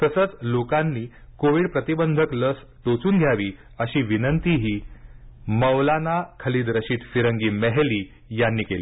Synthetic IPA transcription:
t̪əsət͡slokanːiː | koʋiːɽpɾət̪ibənd̪ʱəkləs | ʈot͡suːnɡʱjaʋiː | əɕiːʋinənt̪iɦiː | məʋlanakʰəliːd̪ɾəɕiːt̪fiɾəŋɡiːmɛɦeliː | janːiːkeliː

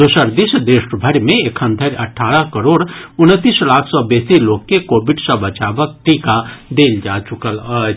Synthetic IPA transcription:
d̪ʊsəɾd̪isəd̪eːʃbʱəɾmẽekʰə̃nd̪ʱəɾɐʈʰaːɾəkəɾoːɽʊnət̪ːiːslaːkʰsɔbeːsiloːkkekoːbɪɖsə̃bət͡ʃaːʋək̚ʈiːkad̪eːld͡ʒaːt͡ʃʊkələ

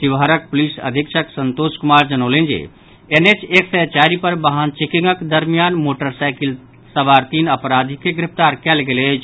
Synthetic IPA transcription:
t̪iʋɦəɾək̚polisə̰d̪ʱikt͡ʃʰəksənt̪oskumaɾd͡ʒənəlend͡ʒḛ | enet͡ʃeksət͡ʃaɾipəɾbəɦant͡ʃikiŋɡəkd̪əɾmijanmoʈəɾsajkil | səbaɾt̪inəpɾad̪ʱikeɡɾip̚ʰt̪aɾkɛlɡelet͡ʃʰ

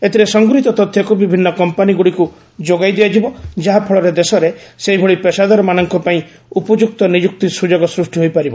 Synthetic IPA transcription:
et̪ʰiɾesɔŋɡuɾit̪ɔt̪ɔt̪ʰjɔkubibʱinːɔkɔmpaniɡuɽiku | d͡ʒoɡajd̪ijad͡ʒibɔd͡ʒaɦapʰɔɭɔɾed̪esɔɾeseibʱoɭipesad̪ɔɾɔmanɔŋkɔpaĩ | upɔd͡ʒuk̚t̪ɔnid͡ʒuk̚t̪isud͡ʒɔɡɔsɾusʈiɦojpaɾibɔ

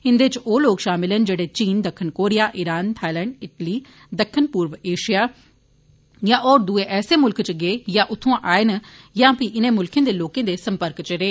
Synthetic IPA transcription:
ɦɪ̃nd̪eːt͡ʃoːloːkʃaːmɪlənd͡ʒeːɽeːt͡ʃiːnd̪əkʰːənkoːɾɪjaːʔɪɾaːnt̪ʰaːilɛːɳɖɪʈliː | d̪əkʰːənpuːɾʋeːʃijaː | jãːʔoːɾd̪uːeːʔɛːseːmʊlkt͡ʃɡeːjãːʔʊt̪ʰːõãːʔaːeːnjãːpiʔɪnẽːmʊlkẽːd̪eːloːkẽːd̪eːsəmpəɾkt͡ʃəɾeː

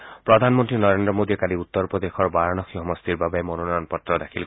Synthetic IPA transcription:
pɹɔd̪ʱanmɔnt̪ɹinɔɹend̪ɹɔmod̪iɛkaɾiut̪ːɔɹpɹɔd̪exɔɹbaɹanɔxʰiɦɔmɔst̪iɹbabamɔnɔnɔjɔnpɔt̪ːɹɔdakʰil

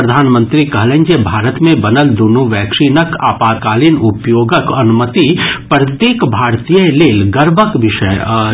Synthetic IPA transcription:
ɾəd̪ʱaːnmə̃nt̪ɾikɐɦlẽnd͡ʒebʱaːɾət̪mẽbɐnəld̪unuʋɛːkʃinəka̰ːpaːkaːlinʊpjoːɡəkɐnʊmət̪ipɾɐt̪jeːkbʱaːɾt̪ijəleːlɡɐɾbʱəkʋɪʃəj

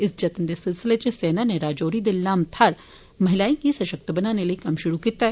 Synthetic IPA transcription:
ɪsd͡ʒɐt̪nd̪esɪlsɪlet͡ʃeseːnaneɾaːd͡ʒoːɾid̪ɪlːaːmt̪ʰaːɾ | mɐɦɪlaːĩkisɐʃək̚t̪əbɐnaːneliekɐmʃʊɾukiːt̪aɦɛː

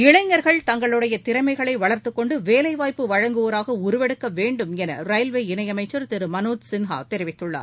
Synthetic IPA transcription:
ɪɭɐɪɲːɐɾɣɐɭt̪ɐŋɡɐɭɯɽɐjɐt̪ɪɾɐmɐɪɣɐɭɐɪʋɐɭɐɾt̪ɯkːɔɳɖɯʋeːlɐɪʋaːjpːɯʋɐɻɐŋɡɯʋoːɾaːɣɐʊɾɯʋɛɽɯkːɐʋeːɳɖɯmɛnɐ̰rɐjlʋeːɪnɐjɐmɐɪt͡ʃːɐɾt̪ɪɾɯmɐnoːt̪sɪnɦa̰ːt̪ɛɾɪʋɪt̪ːɯɭːa̰ːɾ

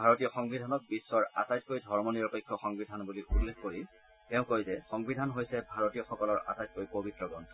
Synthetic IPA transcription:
bʱaɹotijɔxɔŋbidʱanɔk̚bisːɔɹa̰tajt̚kojdʱɔɹmɔniɹɔpekʰːɔxɔŋbidʱanbuliulːexkoɹi | tɛʊ̃kojzɛxɔŋbidʱanɦojsɛbʱaɹotijɔxɔkɔlɔɹʔa̰tajt̚kojpobitɹɔɡɔntʰɔ

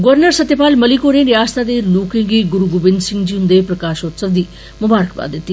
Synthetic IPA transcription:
ɡʊʋəɾnəɾsət̪ːepaːlməlikoːneːɾɪjaːst̪aːd̪eːluːkɪ̃ɡiːɡʊɾuɡʊbɪnd̪sɪ̃ŋɡd͡ʒiːɦʊ̃nd̪eːpɾəkaːʃot̪səʋd̪iː | mʊbaːɾəkba̰ːt̪̚d̪ɪt̪ːi

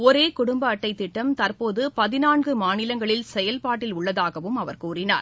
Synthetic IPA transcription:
ɔɾeːkʊɽʊmbɐːʈːɐɪt̪ːɪʈːɐmt̪ɐɾpoːðɯpɐðɪnaːɳɡɯmaːnɪlɐŋɡɐɭɪlsɛjɐlpaːʈːɪlʊɭːɐðaːɣɐʋɯmɐʋɐɾkuːrɪna̰ːɾ

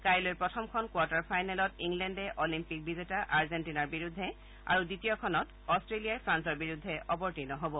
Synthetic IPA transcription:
kajlojɹpɹɔtʰɔmkʰɔnkwɔɹtaɹpʰajnɛlɔtiŋlɛndɛʔɔlimpik̚bizetaʔaɹzentinaɹbiɹudʱːɛ | a̰ɹuditijɔkʰɔnɔt | ɔstɹelijaɹpʰɹansɔɹbiɹud̪ʱːɛʔɔbɔɹtinɔɦobɔ

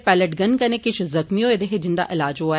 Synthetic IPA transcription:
pɛːləʈɡənkɐnẽkɪt͡ʃʰzɐxmiõed̪eɦed͡ʒɪ̃nd̪a̰ʔɪlaːd͡ʒɦo

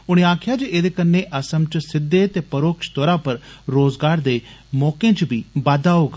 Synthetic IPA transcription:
ʊɽ̃eaːkʰɪjaːd͡ʒeeːd̪eːkənːeʔəsəmt͡ʃsɪd̪ːeːt̪eːpəɾoːkʃt̪ɔːɾaːpəɾɾoːzɡaːɾd̪eːmɔːkẽːt͡ʃbiːbaːd̪aːoːɡ

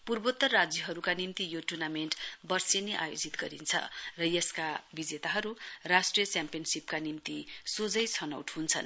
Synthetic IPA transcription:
purbot̪ːʌrrːad͡zjʌɦʌɾukanimt̪ijoʈurnamenʈbʌrseneʔa̰jod͡zit̪ɡʌɾint͡sʰʌ̰rʌjʌskabid͡zet̪aɦʌɾurasʈrijʌt͡sjampiʌnsipkanimt̪isod͡zʌjt͡sʰʌnʌ̰wʈɦunt͡sʰʌ̰n

